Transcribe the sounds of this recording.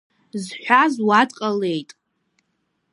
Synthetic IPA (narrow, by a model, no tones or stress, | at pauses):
zħʷᶣazwadʼqʼale̞jtʼ